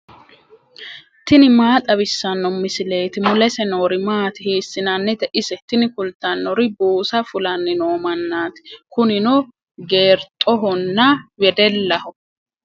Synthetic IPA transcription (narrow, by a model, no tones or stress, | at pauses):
t̪ɪnɪmaːt̪ʼɐβɪsːɐnːɔmɪsɪle̞ːt̪ɪmʊlɛsɛnoːɾɪmaːt̪ɪhiːsːɪnanːɛt̪ɛʔɪsɛt̪ɪnɪkʊlt̪ːanːɔɾɪbuːsɐfʊlɐnːɪnoːmɐnːaːt̪ɪ̥kʊnɪnɔ | ɡe̞ːɾt̪ʼɔɦɔnːɐwɛd̪ɛlːɐhɔ